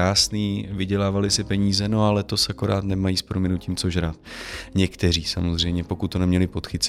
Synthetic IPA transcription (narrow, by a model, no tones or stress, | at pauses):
aːsniːvɪɟɛlaːvalɪsɪpɛɲiːzɛno̞alɛt̪o̞sako̞ɾaːt̪nɛmajiːspɾomɪnuwciːmt͡soʒɾat̪ɲɛkt̪ɛr̝iːsamozr̝ɛjmɲɛpo̞kut̪ːonɛmɲɛlɪpo̞t̪xɪt͡s